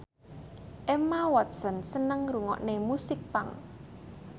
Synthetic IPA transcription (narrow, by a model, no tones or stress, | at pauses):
ʔɛmawɔt̪̚sɔnsənəŋɾuŋɔ̰ʔnemusɪk̚paŋ